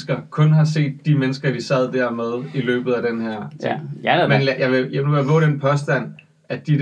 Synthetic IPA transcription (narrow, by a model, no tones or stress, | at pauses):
sɡ̥ɐkʰɔ̽nɦɑ̈s̬e̝̰ːd̥ːimenəsɡ̥ɐd̥isɛð̞̰ˠd̥æɐ̰með̞ˠilø̰ːb̥ð̩ˠæd̥enɦæɐ̰ | menljɑ̈ɪʋe̝jnuejʋɔ̰ːɾ̥enpʰɒ̽sd̥æn̰ | æd̥i